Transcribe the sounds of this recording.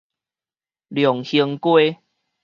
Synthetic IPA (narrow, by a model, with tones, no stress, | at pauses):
ljɔ˨˩ŋhi˧ŋkwe˦